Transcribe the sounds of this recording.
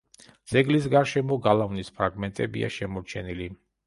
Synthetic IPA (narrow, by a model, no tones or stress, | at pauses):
d̪z̥ɛɡlis̬ɡaɾʃɛmɔɡalˠavnispʰɾaɡmɛnt̪ʼɛbḭa̰ʃɛmɔɾt͡ʃʰɛnili